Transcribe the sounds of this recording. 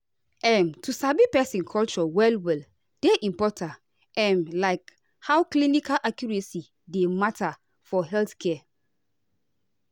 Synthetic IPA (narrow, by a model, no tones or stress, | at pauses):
ɛ̃mtʰusabipɛsĩnkʰɔlt͡ʃɔwɛlwɛl | d̥eʔĩmpɔtʰãnt | ɛ̃mlaɪk | hawklinikalʔakjuɹɛsi | dematʰa | fɔɦɛlθkʰɛ